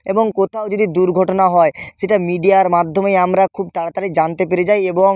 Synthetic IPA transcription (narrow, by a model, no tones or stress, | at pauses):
eboŋkot̪ʰaod͡ʑod̪id̪uɾɡʱɔʈonaɦɔeʃeʈamiɖiaɾmad̪ʱːomejamɾakʰub̚t̪aɽat̪aɾed͡ʑant̪epeɾed͡ʑajeboŋ